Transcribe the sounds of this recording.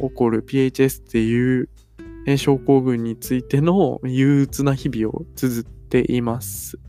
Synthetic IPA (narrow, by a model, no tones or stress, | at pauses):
o̞ko̞ɾɯ̟pʲiet͡ɕie̞sɨ̥t̪ʰːe̞jɯ̟ː | ẽ̞ɕo̞ːko̞ːɡɯ̟̃ɲ̟ːit͡sɨit̪e̞no̞jɯːt͡sɨnaçibʲio̞̰t͡sɨzɨt̪ːe̞ʔimasɨ